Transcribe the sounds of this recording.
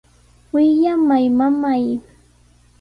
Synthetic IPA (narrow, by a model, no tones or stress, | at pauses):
wɪjamajmamaj